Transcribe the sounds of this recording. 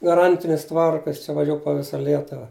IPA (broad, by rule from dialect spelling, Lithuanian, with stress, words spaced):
ɡɐˈrɐnʲtʲɪnʲɪs ˈtʋɐrkɐ ˈjɪs t͡ʃʲɛ ʋɐˈʒʲuː poː ˈʋʲɪsɐ ˈlʲiɛtʊʋɐ